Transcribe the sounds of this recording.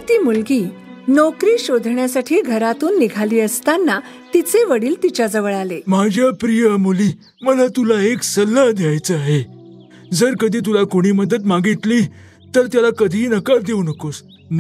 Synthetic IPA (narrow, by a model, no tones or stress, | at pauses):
t̪iːmulɡiː | nɔkɾiːɕod̪ʱɳjasaʈʰiːɡʱəɾat̪uːnːiɡʱaliːəst̪anːa | t̪it͡seʋəɽiːlt̪it͡ɕad͡zəʋəɭalemad͡ʑʱjapɾijəmuliː | məlat̪ulaeksəlːəd̪jajt͡səaɦe | d͡zəɾkəd̪ʱiːt̪̬ulakoɽ̃iːməd̪ət̪maɡit̪liː | t̪əɾt̪jalakəd̪ʱiːnəkaɾd̪eunəkos | n